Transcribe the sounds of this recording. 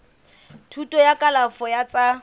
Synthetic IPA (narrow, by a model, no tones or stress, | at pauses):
tʰutʼɔjakʼalafɔjat͡sʼa